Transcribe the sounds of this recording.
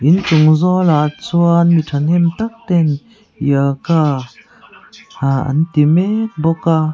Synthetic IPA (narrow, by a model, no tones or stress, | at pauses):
ʔint͡suŋzɔlat͡suənmitʰanhɛmt̪ak̚t̪ɛn | jəka | haa̰nt̪imɛk̚bɔka